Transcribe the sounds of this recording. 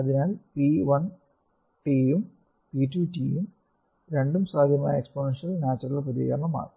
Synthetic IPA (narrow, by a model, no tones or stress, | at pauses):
ɐðinaːlpiʋɐn | ʈijum | pitutijum | ɾe̞ɳɖumsaːd̪ʱjɐma̰ːjɐeksponenʂɐlnaːt͡ɕːɐrilɐpɐðḭːja̰mɐma̰ːrk